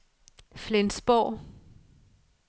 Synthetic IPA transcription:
flensb̥ɒʊ̰

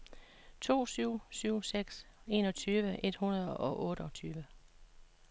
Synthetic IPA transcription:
t͡sʰo̝̰ːsyʊ̰syʊ̰seɡ̥se̝ːnɒ̽t͡sʰyːʋəʔe̝d̥hunɐð̞ˠɒ̽ʔɒ̽ʔɔ̽ːɾ̥əɒ̽t͡sʰyːʋə

